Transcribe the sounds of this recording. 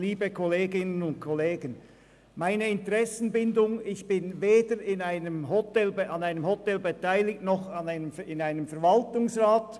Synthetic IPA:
liːbəkʰɔleːɡɪnənʊnt̚kʰɔleːɡən | maɪnəɪntəʁɛsn̩bɪndʊŋɪçb̥ɪnveːdəɾɪnaɪnəmɦɔtɛlbɑnaɪnəmhɔtɛlbetaɪlɪktnɔχɑnaɪnəmɪnaɪnəmfɛɐvaltʊŋsʁaːt

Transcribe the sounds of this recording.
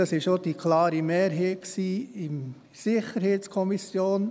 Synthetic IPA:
ɑsɪʃod̥ikʰlɑːɾimeːɾɦɛːksiːɪm | sɪχəɾɦɛːt͡skʰɔmisjoːn

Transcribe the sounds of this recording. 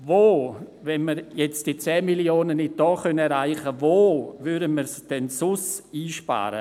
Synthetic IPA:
voːvɛnməɾjɛt͡sd̥it͡sɛːmiljoːnənːɪt̚d̥ɔːχœnɛɾaɪχəvoːvydəməɾsd̥ɛnsʊsiːʃpa̰ːɾə̰

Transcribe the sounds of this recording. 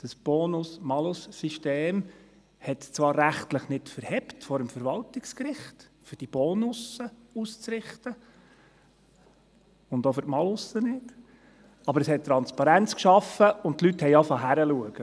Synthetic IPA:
d̥ɑsb̥ɔːnʊsmɑlʊsːiʃteːm | hɛtt͡svɑːɾːæχtləχnɪtfəɾhɛptfɔɾəmfəɾʋɑltɪkskɾɪχtfʏɾd̥ib̥ɔːnʊsəust͡sɾɪχtə | ʊndofʏɾtmɑlʊsːənɪt | ɑbəɾəshɛt̚tːɾɑnt͡spɑɾænt͡skʃɑfəʊnt̪lythɛjɑfɑɦæɾəluəɡ̥ə

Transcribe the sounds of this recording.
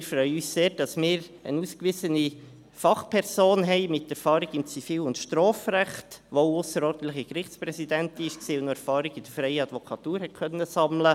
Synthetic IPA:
ɪɾfɾœʏyːsseːɾd̥ɑsmɪːɾənuːskʋɪsəni | fɑχpʰɛɾsoːnɦɛɪmɪtːɛɾfɑːɾiɡɪmt͡sifiːlʊntʃtɾɔːfɾæχtʋoʊsəɾɔːɾdən̩t̪ləχikɾɪχt͡spɾɛsidɛntɪʃksiːʊnoɛɾfɑːɾɪɡɪd̥əɾfɾɛɪəɑd̥̪vɔkʰɑt̪uːɾhɛt̚kʰœnːəsɑmlə

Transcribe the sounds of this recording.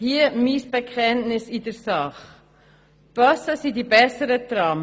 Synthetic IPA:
hiəmisb̥ɛkʰɛntnɪsidəɾsɑχ | b̥œsəsidibɛsəɾət̪ɾɑːm

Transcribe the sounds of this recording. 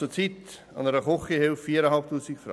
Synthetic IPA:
ut͡sit | ɑ̰nəɾəχɔχihɪlfːiːɾəhɑlp̚tuːsɪkfɾɑ̰

